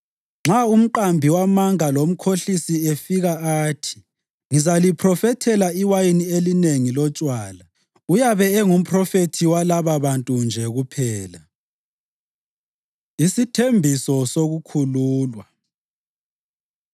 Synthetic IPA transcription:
ŋ͡ǁaum̩ǃambʱiwamaŋalom̩kʰoɬisiefiɣaaːtʰi̥ | ŋizalipʰrɔfɛtʰɛlaiwajinielineŋilɔt͡ʃʼwaːla | ujaβɛɛŋum̩pʰʼrɔfetʰiwalaβaβantʼund͡ʒʱɛɣupʰɛːla | isitʰembʱisɔsoɣukʰuluːlwa

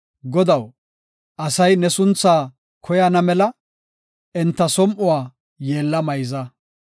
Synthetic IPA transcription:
ɡɔd̪ɐw | ʔɐsɐjnɛsʊnt͡sːaː | kʰɔjɐnɐmɛlɐ | ɪnt̪ːɐsɔmʔʊwaː | je̞ːlːɐmɐjzɐ

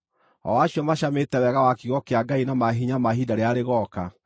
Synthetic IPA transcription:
ɔ̰waɕjɔmaɕametɛwɛɣawakiɣɔkeaɡainamaɦiɲamaɦidaɾeaɾeɣɔːka

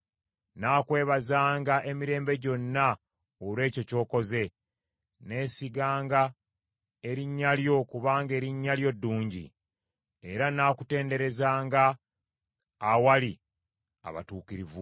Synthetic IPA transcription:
naːkwe̞ːβazaːŋɡaʔe̞miɾe̞ːmbe̞ɟo̞nːa | olwe̞ːco̞co̞ːko̞ze̞ | ne̞ːsiɡaːŋɡa | eɾiɲːaljo̞kuβaːŋɡe̞ːɾiɲːaljo̞dːuːɲɟḭ | e̞ɾanaːkute̞ːnde̞ɾe̞zaːŋɡa | wali | a̰βa̰tuːkiɾivu

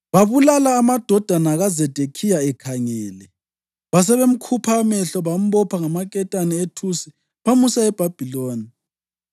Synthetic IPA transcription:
βaβulalaːmad̥ʱɔd̥ʱanaɣazɛd̥ʱekʰijaɛkʰaŋɛːlɛ | βas̬ɛβem̩kʰupʰamɛɬɔβam̩βɔpʰaŋamakʼɛtʼanɛetʰusi̥ | pʰamusaɛb̥ʱab̥ʱiloːni

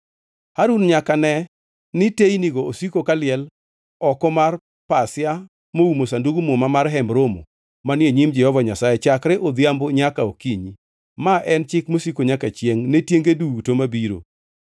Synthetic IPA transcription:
haɾunɲakanɛ | nɪtejniɡɔosikokalɪɛl | ɔkɔmar | pasɪa | moumosanduɡumomamarɦɛmbɾomo̰ | manjeɲimd͡ʒɛhɔvaɲasajɛt͡ʃakɾeʔod̪jamboɲakaokiɲi | maʔɛnt͡ʃɪkmosikoɲakat͡ʃjeŋnetjeŋɡeduɡutomabiɾo̰

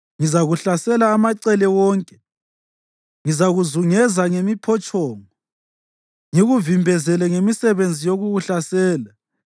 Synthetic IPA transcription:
ŋizaɣuɬasɛlaːmaǀɛlɛwɔːŋkʼɛ̥ | ŋizaɣuzuŋɛzaŋemipʰɔt͡ʃʼɔːŋɔ | ŋiɣuvimbʱɛzɛlɛŋemisɛβend͡zʱijoɣuɣuɬasɛːla

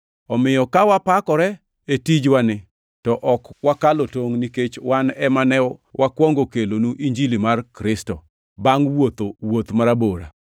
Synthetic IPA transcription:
ɔmɪjɔkawapakɔɾɛ | etid͡ʒwanɪ | tɔʔɔkwakalotoŋniket͡ʃwanɛmanɛwakwɔŋɡokelonuʔiɲd͡ʒilimarkɾɪstɔ | baŋwot̪owot̪maɾaboɾa̰

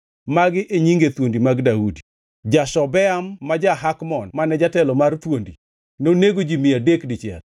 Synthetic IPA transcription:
maɡɪʔeɲiŋɡet̪wondimaɡdaudi | d͡ʒaʃɔbɛamːad͡ʒaɦakmɔnmanɛd͡ʒatɛlɔmart̪wondi | noneɡod͡ʒimɪjadekdɪt͡ʃɪɛ̰l

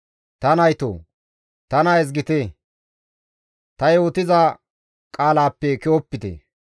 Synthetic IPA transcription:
t̪ɐnɐjt̪o̰ː | t̪ɐnaɛz̬ɡɪt̪e | t̪ɐjoːt̪ɪza | kʼaːlaːpːɛkɪwɔpːɪt̪ḛ

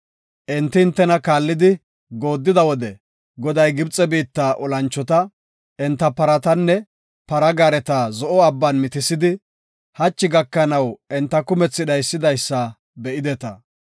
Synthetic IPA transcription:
ʔɪnt̪ːɪːnt̪ːɛnɐkaːlːɪd̪ɪ | ɡo̞ːd̪ːɪd̪ɐwɔd̪ɛ | ɡɔd̪ɐjɡɪbt͡sʼɛbiːt̪ːaːʔɔlɐnt͡ʃːɔt̪ɐ | ʔɛnt̪ːɐpɐɾɐt̪ɐnːɛ | pɐɾɐɡaːɾɛt̪azɔʔɔɐbːɐnmɪt̪ɪsɪd̪ɪ | hɐt͡ʃːɪɡɐkːɐnɐwɛnt̪ːɐkʊmɛt͡sːɪɗɐjsːɪd̪ɐjsːɐ | bɛʔɪd̪ɛt̪ɐ

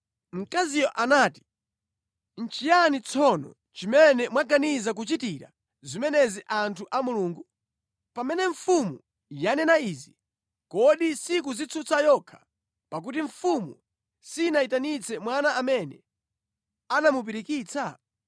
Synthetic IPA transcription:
m̩kazijɔʔanaːti̥ | n̩t͡ʃijanit͡sʰɔnɔ̰ | t͡ʃimɛnɛmwaɡanizak̬ut͡ʃitiɾa̰ | zimɛnɛziʔantʰuʔamuluːŋɡu | pamɛnɛɱfumu | janɛnaizi | kɔɗisik̬uzit͡sʰut͡sajɔkʰḁ | pak̬ut̬iɱ̩fumu | sinaitanit͡sɛmwanaːmɛnɛ̰ | anamup̬iɾikiːt͡sʰa

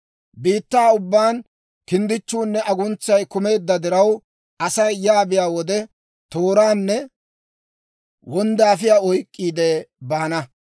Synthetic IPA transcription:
biːt̪ːaːʊbːaːn | kɪnd̪ɪt͡ʃːuːnːɛʔɐɡʊnt͡sːɐjkʊme̞ːd̪ːɐd̪ɪɾɐw | ɐsɐjjaːbɪjaːwɔd̪ɛ | t̪oːɾaːnːɛ | wɔnd̪aːfɪjaːɔjkʼːiːd̪ɛbaːnɐ

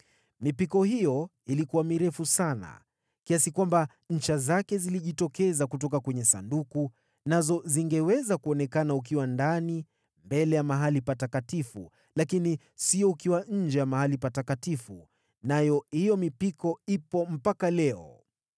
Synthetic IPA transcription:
mipikɔhijɔ | ilikuwamiɾɛfusana̰ | kiasikwamba | ɲ̩t͡ʃazakɛziliʄitɔkɛzakutɔkakwɛɲɛsa̰nduku | nazɔziŋɡɛwɛzakuɔnɛkanauk̬iwandani | mbɛlɛjamaɦalipatakatifu | lakini | siɔukiwaɲ̩d͡ʒɛjamahalipatakatifu | najɔhijɔmipikɔipɔm̩pakalɛɔ̰

